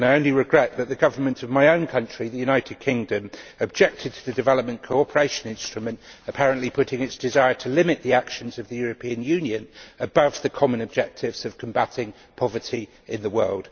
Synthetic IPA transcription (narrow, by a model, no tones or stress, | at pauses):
naɪə̃ʊ̃nliɹɪɡɹɛʔ̚ðəʔ̪ðəɡʌvə˞mə̃ntʰəvmaɪə̃ʊ̃nkʰʌ̃nt͡ʃɹ̥iðɨjʉnaɪtʰɪd̚kʰɪ̃ŋdə̃məb̚d͡ʒɛk̚tʰɪd̚tʰəðɨdɪvɛləp̚mə̃nkʰəʊɒpʰə˞eɪʃə̃nɪ̃nstɹ̥əmə̃ntəpʰaɹə̃nʔlipʰʊtɪ̃ŋɪtsd̥ɪzaɪətʰəlɪ̃mɪʔ̪ðiakʃə̃nzəvðəjɔːɹəpʰĩə̃njʉ̃njə̃nəbʌvðəkʰɒmə̃nəb̚d͡ʒɛk̚tʰɪvz̥əv̥kʰə̃mbatʰɪ̃ŋ | pʰɒvətʰi | ɪ̃nðəwɜːlˠd̥